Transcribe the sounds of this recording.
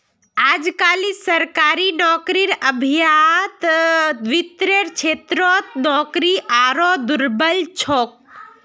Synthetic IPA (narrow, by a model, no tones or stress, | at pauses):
aːd͡ʒkaːlisəɾkaːɾinɔːkɾiɾəbʱijat̪ʋit̪ɾeɾt͡ʃʰeːt̪ɾɔt̪nɔkɾiʔaːɾɔd̪uɾbəlt͡ʃʰɔːk̚